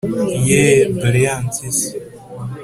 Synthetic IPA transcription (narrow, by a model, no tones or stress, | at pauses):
jebɾiant͡sis